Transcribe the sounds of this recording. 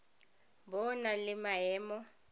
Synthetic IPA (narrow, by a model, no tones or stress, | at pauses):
bɔnalɪmaɛːmɔ